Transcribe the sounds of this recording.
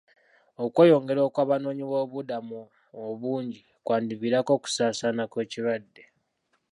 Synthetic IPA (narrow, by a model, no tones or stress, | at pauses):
okwe̞ːjo̞ŋɡe̞ɾo̞ːkwaːβano̞ːɲiβo̞ːβudamu | oβuːɲɟi | kwaːndiβiɾako̞ku̥saːsaːnakwe̞ːciɾwadːe̞